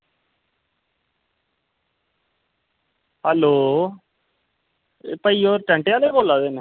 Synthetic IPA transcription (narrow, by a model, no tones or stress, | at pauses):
hɛːloː | pəiːoːɾʈə̃ɳʈeːaːleːkoːlaːd̪eːne